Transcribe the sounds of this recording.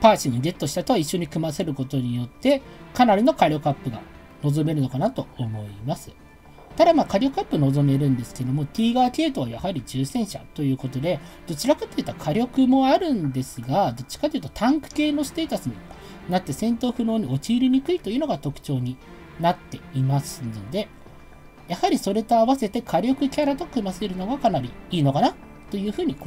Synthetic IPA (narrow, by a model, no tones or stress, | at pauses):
paːɕĩɰ̃ɡe̞t̪ːo̞ɕi̥t̪at̪o̞βaiɕːo̞ɲ̟ikɯ̟mase̞ɾɯ̟ko̞t̪o̞ɲ̟ijo̞t̪ːe̞kanaɾʲino̞kaɾʲo̞kapːɯ̟ɡa̰ | no̞zo̞me̞ɾɯ̟no̞kanat̪o̞ːmo̞imasɨ | t̪ad̪amaːkaɾʲo̞kapːɯ̟no̞zo̞me̞ɾɯ̟̃nd̪e̞sɨ̥ke̞d̪o̞mo̞t̪ʲiːɡaːkʲe̞ːt̪o̞βajahaɾʲid͡ʑɨːsẽ̞ɰ̃ɕa̰t̪o̞jɯ̟ːko̞t̪o̞d̪e̞d̪̥o̞t͡ɕiɾakat̪ːojiɯ̟t̪ːakʰaɾʲo̞kɯ̟mo̞aɾɯ̟̃nd̪e̞sɨɡad̪o̞t͡ɕːi̥kat̪ejiɯ̟t̪o̞̥t̪ʰãŋkɯ̟̥ke̞ːno̞sɨ̥t̪e̞ːt̪asɨɲ̟i | nat̪ːe̞sẽ̞nt̪o̞ːɸɯ̟no̞ːɲ̟io̞t͡ɕiːɾʲiɲ̟ikɯ̟it̪o̞jiɯ̟ːno̞ɡat̪o̞kɯ̟̥t͡ɕo̞ːɲ̟i | nat̪ːe̞imasɨd̪e̞ | jahaɾʲiso̞ɾe̞t̪o̞aβase̞t̪e̞kʰaɾʲo̞kɯ̟kʲaɾat̪o̞kɯ̟maseɾɯ̟no̞ɡakanaɾʲiiːno̞kana | t̪o̞jɯ̟ːɸɯ̟ːɲ̟ik